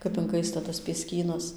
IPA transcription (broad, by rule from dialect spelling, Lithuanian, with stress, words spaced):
kɐp ɪŋˈkɐɪstɐ tɐs pʲiɛˈsʲkʲiːnɐs